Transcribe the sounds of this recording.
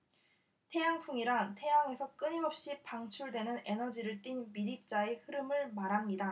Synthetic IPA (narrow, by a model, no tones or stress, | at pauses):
tʰe̞jaŋpʰuŋiɾatʰe̞jaŋe̞sʰʌk͈ɯɲiŋʌp̚ɕ͈ipaŋt͡ɕʰuɭdwe̞nɯne̞nʌd͡ʑiɾɯɭt͈inmiɾip̚t͡ɕ͈ae̞hɯɾɯmɯɭmaɾamɲida